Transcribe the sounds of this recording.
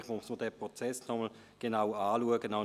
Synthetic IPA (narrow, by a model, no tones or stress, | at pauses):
χmusməɐdɛːpʁɔt͡sɛsnɔməl | ɡ̥enawaːluəɡənaʊ